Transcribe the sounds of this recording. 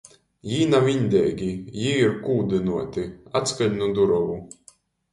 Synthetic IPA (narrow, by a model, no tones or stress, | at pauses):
jiːnavʲiɲʲd̪ʲɛːɡʲijiiɾkuːd̪ɨnuɔt̪ʲiat̪skaʎʲnud̪uɾɔvu